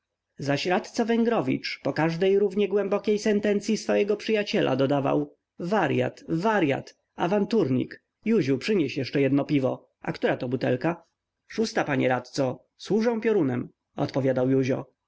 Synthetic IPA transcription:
zaɕɾat̪t̪savɛŋɡɾɔvʲḭt͡ʂpɔkaʐd̪ɛjɾuvɲɛɡwɛmbɔkʲejsɛnt̪ɛnt̪sʲjisfɔjɛɡɔpʂɨjat͡ɕɛlʔa̰d̪ɔd̪ava̰w | vaɾja̰t̪vaɾja̰t̪ | avant̪uɾɲḭk | juʑupʂɘɲɛɕjɛʂt͡ʂɛjɛd̪nɔpʲivɔ | ʔa̰kt̪uɾat̪ɔbut̪ɛ̰lka | ʂust̪apaɲɛɾat̪t̪sɔ | swuʐɛ̃w̃pʲjɔɾunɛm | ɔ̰t̪pɔvʲjad̪awjuʑɔ̰

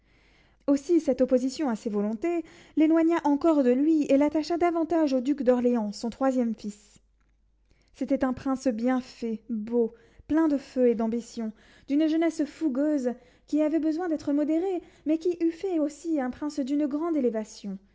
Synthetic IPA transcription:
osisɛt̪ɔpozisjɔ̃asevɔlɔ̃t̪e | lenwaɲaʔɑ̃kɔʁd̪əlɥielat̪aʃad̪avɑ̃t̪aʒod̪ykd̪ɔʁleɑ̃sɔ̃t̪χwazjɛmfis | et̪ɛt̪ɛ̃pχɛ̃sbjɛ̃fɛbo | plɛ̃d̪əføed̪ɑ̃bisjɔ̃ | d̪̥ynʒənɛsfuɡøz | kʲiavɛbəzwɛ̃d̪ɛt̪χəmɔd̪eʁe | mɛkʲiʔyfɛosiɛ̃pχɛ̃sd̪ynɡʁɑ̃d̪elevasjɔ̃

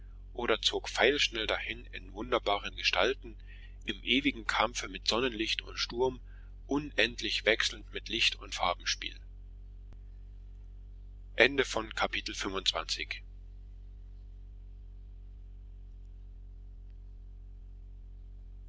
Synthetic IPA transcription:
ʔoːɾɐt͡soːkfaɪlʃnɛldahɪnɪ̰nvʊndɐbaːʁənɡəʃtʰa̰ltn̩ | ʔɪmʔeːvɪɡŋ̩kʰamfəmɪtz̥ɔnənlɪçtʰʊ̰ntʃtʊɐm | ʔʊnʔɛntʰlɪçv̥ɛksl̩n̩tmɪtlɪçtʊntfaɐbm̩ʃpḭːl | ʔɛndəfɔnkʰapʰiːtl̩fʏmvʊntt͡sv̥a̰nt͡sɪç

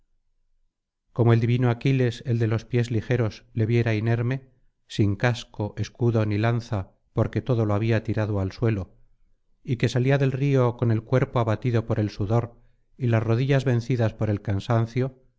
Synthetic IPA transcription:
ko̞moe̞ld̪iβinoakile̞se̞ld̪e̞lo̞spje̞zlixe̞ɾo̞zle̞βje̞ɾaine̞ɾme̞ | siŋkasko̞ʔe̞skuðo̞nilanθa | po̞ɾke̞t̪o̞ðo̞loaβiat̪iɾaðoalswe̞lo̞ | ike̞saliaðe̞lrio̞ko̞ne̞lkwe̞ɾpoaβat̪iðo̞po̞ɾe̞lsuðo̞ɾ | ilasro̞ðiʝazβẽ̞nθiðaspo̞ɾe̞lkansanθjo

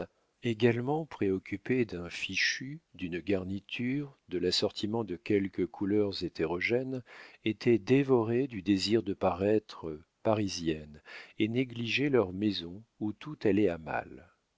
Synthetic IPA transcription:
eɡalmɑ̃pχeɔkʲʰyped̪ɛ̃fiʃyd̪ynɡaʁnit̪ʰyʁd̪əlasɔʁt̪ʰimɑ̃d̪əkʲɛlkəkʰulœʁzet̪ʰeʁɔʒɛnet̪ʰɛd̪evɔʁed̪yd̪eziʁd̪əpaʁɛt̪χəpaʁizjɛneneɡliʒɛlœʁmezɔ̃ut̪ut̪alɛama̰l

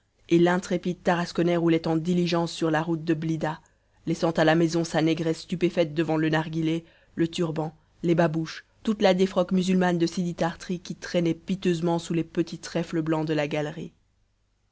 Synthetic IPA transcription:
elɛ̃t̪χepid̪̚t̪aʁaskɔnɛʁulɛt̪ɑ̃d̪iliʒɑ̃sːyʁlaʁut̪̚d̪əblid̪a | lɛsɑ̃t̪alamɛzɔ̃sanɛɡʁɛsːt̪ypefɛt̪̚d̪əvɑ̃lənaʁɡʲile | lət̪yʁbɑ̃ | lebabuʃ | t̪ut̪lad̪efχɔkmyzylmand̪əsid̪it̪aʁt̪χikʲit̪χɛnɛpit̪øzmɑ̃sulepət̪it̪χɛfləblɑ̃d̪əlaɡalʁḭ

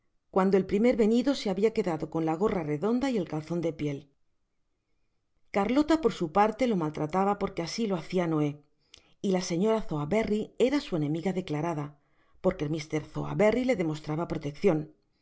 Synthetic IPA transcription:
kwand̪o̞e̞lpɾime̞ɾβe̞niðo̞se̞aβiake̞ðaðo̞ko̞nlaɣ̞o̞rare̞ðo̞nd̪aie̞lkalθo̞nd̪e̞pje̞l | kaɾlo̞t̪apo̞ɾsupaɾt̪e̞lo̞malt̪ɾat̪aβapo̞ɾke̞asilo̞aθiano̞e̞ | ilase̞ɲo̞ɾaθo̞aβerieɾasue̞nẽ̞miɣaðe̞klaɾaða | po̞ɾkelmist̪e̞ɾθo̞̰a̰βe̞rile̞ðe̞mo̞st̪ɾaβapɾo̞t̪e̞kθjo̞n

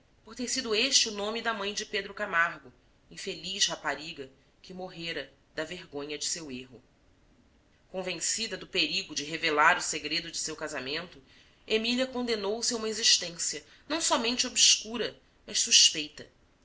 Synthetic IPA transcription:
poɾt̪eɾsid̪ʊeʃt͡ʃɪunõmɪd̪ɐmɐ̃j̃d͡ʒɪped̪ɾʊkamaɾɡʊ | ĩfeliʃhapaɾiɡɐ | kɪmoɦeɾɐ | d̪ɐveɾɡõɲɐd͡ʒɪseweɦʊ | kõvẽsid̪ɐd̪ʊpeɾiɡʊd͡ʒɪɦevelaɾʊseɡɾed̪ʊd͡ʒɪsewkazamẽnt̪ʊ | emiliɐkõnd̪enowsɪaũmɐeziʃt̪ẽsiɐ | nɐ̃w̃sɔmẽnt͡ʃɪobʃkuɾɐ | mɐʃsuʃpejt̪ɐ

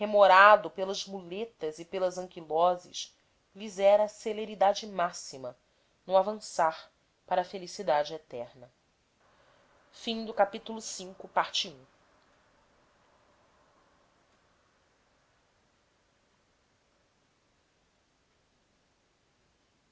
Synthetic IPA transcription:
hemoɾad̪ʊpelɐzmulet̪ɐzɪpelɐzɐ̃ŋkilɔzɪ̰ʃ | lizɛɾɐːseleɾid̪ad͡ʒɪmasimɐ | nũavɐ̃saɾ | paɾɐfelisid̪ad͡ʒɪet̪ɛɾnɐ | fĩd̪ʊkapit̪ulʊsĩŋkʊpaɾt͡ʃiũ

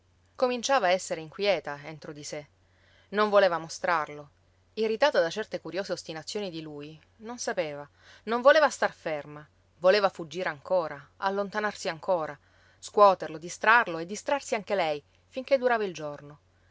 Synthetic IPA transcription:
komint͡ʃaːvaːɛsːeɾeiŋkwjɛːt̪aent̪ɾod̪ise | noɱvoleːvamost̪ɾarlo | irit̪aːt̪ad̪at͡ʃɛrt̪ekuɾjoːzeost̪inat̪sːjoːnid̪iluj | nonsapeːva | noɱvoleːvast̪arferma | voleːvafud͡ʒːiːɾeaŋkoːɾaa̰lːont̪anarsiaŋkoːɾa | skwɔːt̪erlod̪ist̪ɾarloed̪ːist̪ɾarsiaŋk̟elɛj | fiŋked̪ːuɾaːvaild͡ʒorno

